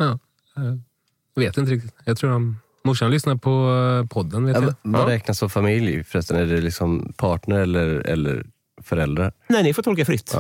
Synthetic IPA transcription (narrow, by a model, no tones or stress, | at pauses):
jɑː | jveːt̪ɪnt̪əɾɪk̚t̪ɪt̪jɑt̪ʰɾuːɾam | mʊʂanlʏsnapʰɔpʰɔd̪ːənveːtjvaɾɛːk̚nasɔfamɪljfœɾɛst̪anæɖɛlɪksɔmpʰɑːʈɳəɾɛlːəɾɛ̰lːə̰ɾ | fœɾɛld̪ɾaɾnɛɪnɪfot̪ʰɔlkafɾʏt̪ː